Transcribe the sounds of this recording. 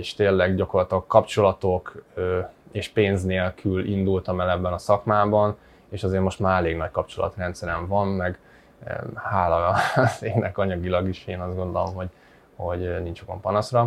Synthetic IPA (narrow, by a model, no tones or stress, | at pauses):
eːʃt̪eːlːɛɡɟɒko̞rlɒt̪ɒkːɒpt͡ʃo̞lɒt̪o̞køeːʃpeːnzneːlkʰylind̪ult̪ɒmɛlɛbːɛnɒsɒkmaːbɒn | eːʃɒzeːɾmo̞ʃt̪maːɾɛleːɡnɒc̚kɒp̚t͡ʃo̞̰lɒ̰t̪rɛnt̪sɛɾɛɱvɒnmɛɡ | haːlɒz̥eːnɛkɒɲɒɡilɒɡiʃeːnɒzd̪ɡo̞nd̪o̞lo̞mho̞ɟ | ho̞ɟnint͡ʃoɡɒ̰mpɒnɒsrɒ